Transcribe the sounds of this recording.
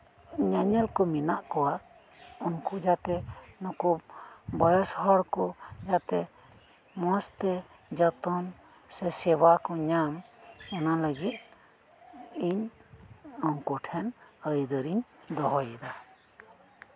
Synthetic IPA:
ɲaɲɛlkɔminaʔkɔwaʔ | ɔnkɔd͡ʒat̪ɛnɔkubɔjɔsɦɔɽkɔd͡ʒat̪ɛ | mɔst̪ɛ | d͡ʒat̪ɔn | sɛsɛwakɔɲamɔnaləɡit̪̚ | iɲ | ɔŋkɔʈʰɛnəjd̪əɾiɲd̪ɔɦɔjɛd̪a

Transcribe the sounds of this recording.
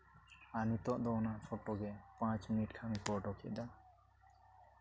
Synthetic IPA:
anit̪ɔʔd̪ɔnafʰoʈːoɡepãt͡ɕminiʈkʰamikɔʈokʰḛʔd̪a

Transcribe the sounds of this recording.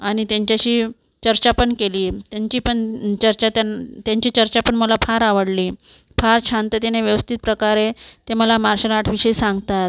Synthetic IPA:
añit̪jaɲt͡ɕjaɕiː | t͡ɕəɾt͡ɕapəɳkeliːt̪jaɲt͡ɕiːpəɳt͡ɕəɾt͡ɕat̪ant̪jaɲt͡ɕiːt͡ɕəɾt͡ɕapəɳməlafʰaɾaʋəɽliː | fʰaɾt͡ɕʰant̪ət̪eneʋjəʋəst̪ʰit̪̚pɾəkaɾet̪eməlamaɾɕəlaʈʰʋiɕəisãŋɡt̪at̪̚

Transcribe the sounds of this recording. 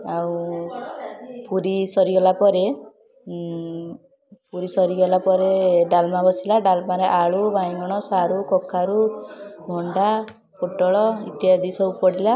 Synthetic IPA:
awu | puɾisɔɾiɡɔlapɔɾe | puɾisɔɾiɡɔlapɔɾeɖalmabɔsilaɖalmaɾeʔaɭubajŋɡɔɽ̃ɔsaɾukɔkʰːaɾubʱɔɳɖa | poʈɔɭɔit̪iad̪ʱisɔupɔɽila

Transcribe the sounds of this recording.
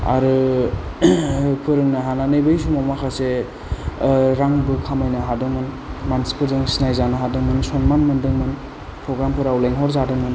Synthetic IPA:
a̰ɾɯ | pʰɯɾɯŋnaɦananɯjbɯjsumamakʰase | ɾaŋbɯkʰamajnaɦadɯmɯn | mansi̥pʰɯɾzɯŋsinajzanɯɦadɯmɯnsɔnmanmɯndɯŋmɯn | pʰɾɔɡɾampʰɯɾawleŋɦɔɾzadɯŋmɯn

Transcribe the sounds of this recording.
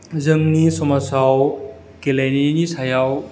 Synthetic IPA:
zɯŋnisɔmasaw | kelajninisʰajaw

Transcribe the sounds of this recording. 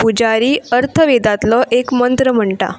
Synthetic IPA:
pud͡ʑaɾiːəɾt̪ʰəʋed̪at̪lɔʔekmənt̪ɾəm̤əɳʈa̰

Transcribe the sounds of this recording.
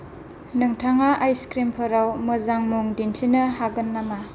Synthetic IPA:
nɯŋtʰaŋaʔajskɾimpʰɐɾawməzaŋmuŋdintʰinɯhaɡɯnːama

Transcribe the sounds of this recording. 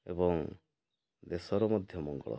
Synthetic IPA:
ebɔŋ | d̪esɔɾɔmɔd̪ʱjɔmɔŋɡɔ̰ɭɔ̰

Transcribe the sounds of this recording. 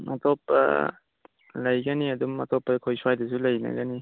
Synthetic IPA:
ma̰tɔpːɐ̰ | lɐjɡaniɐdumːɐtɔpːɐkʰojsuwajdɐs̬ulɐjna̰ɡani

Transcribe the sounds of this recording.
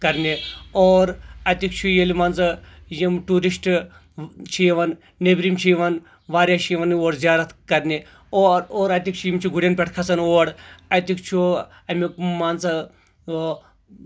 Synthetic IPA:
kɐɾnʲioːɾɐt̪ikt͡ʃʰujelimant͡sɨjimʈuːɾisʈ | t͡ʃʰijeʋɐnː | ebɾimt͡ʃʰijiʋɐn | ʋaːɾʲjat͡ʃʰijʋɐnoːɽzʲaːɾɐt̪ʰkɐɾnʲi | ooːɾɐt̪ʲikt͡ʃʰujimt͡ʃʰuɡuɽʲjɐnpʲeʈʰkʰɐsɐnoːɐɽɐt̪ikt͡ʃʰu | ɐmʲikmaːnt͡sɐ

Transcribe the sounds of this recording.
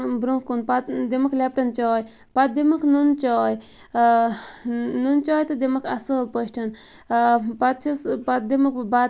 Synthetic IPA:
bɾukunpat̪d̪emɐkʰlʲɛp̚ʈɐnt͡ʃɔːj | pɐt̪̚d̪emɐkʰnunt͡ʃɔːj | nunt͡ʃɔːjt̪ɨd̪emɐkʰɐsəːlpəʃʈʰɐn | pɐt̪̚t͡ʃʰspɐt̪̚d̪emɐk̚ba

